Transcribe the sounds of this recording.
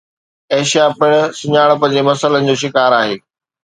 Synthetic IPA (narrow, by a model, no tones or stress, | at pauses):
eːʃijapɪɽ̃̆sʊɲaːɽ̃̆pɐ̃ːɲd͡ʑemɐsələnɪ̆d͡ʑoːʃ̬ɪkaːɾaːɦeː